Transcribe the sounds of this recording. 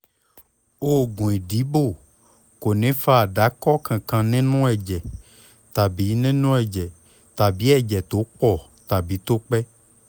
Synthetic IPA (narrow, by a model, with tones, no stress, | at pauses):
o˦ɡũ˨ĩ˨ɖi˨˦bo˦˨ | ko˨nẽ˨˦fa˦˨ɖa˨˦kɔ˦kã˨kã˨nɛ̃˦nũ˦ɛ˨d͡ʒɛ˨ | t̪a˨bi˨˦nẽ˦nũ˦ɛ˨d͡ʒɛ˨ | t̪a˨bi˨˦ɛ˦˨d͡ʒɛ˨t̪o˨˦k͡pɔ˨ | t̪a˨bi˨˦t̪o˦k͡pɛ˦